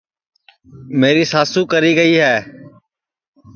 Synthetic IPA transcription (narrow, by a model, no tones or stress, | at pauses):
meːɾiːsaːsũːkəɾiːɡəiːɦɛː